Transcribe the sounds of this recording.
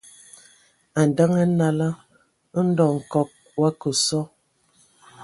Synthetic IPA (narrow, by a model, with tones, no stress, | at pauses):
a˨n˨da˦ŋə˦na˦la˦ | ə˦n̩˦dɔ˨ŋ̩˨kɔ˨k̚ | wa˦kə˨sɔ˦